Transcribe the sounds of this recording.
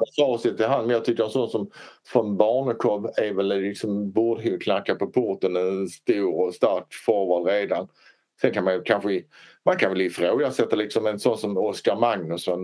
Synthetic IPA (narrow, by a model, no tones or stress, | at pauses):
jasɑːsɪt̪ʰːɪlɦanːmɛnjɑt̪ʰʏkːəɾɛnsɔnːsɔmfɾɔnbɑːɳəkʰɔbæɾvɛllɪksɔmbuːd̪əɦʉkʰnakːapɔpʰʊɾt̪ənɛst̪uːɾɔst̪aɾkfɔɾvɑːlɾeːd̪an | sɛnkʰanmankʰanɧəmankʰanvɛlɪfɾoːɡasɛt̪ːalɪksɔmɛnsɔnːsɔmɔskaɾmaŋnɵsɔn